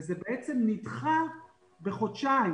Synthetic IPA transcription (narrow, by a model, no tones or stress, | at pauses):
zebeʔet͡semnitχa | be̞χott͡ʃai